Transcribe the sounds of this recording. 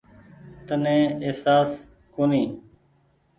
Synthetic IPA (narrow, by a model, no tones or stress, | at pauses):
t̪ənẽːeːsaːs | koːniː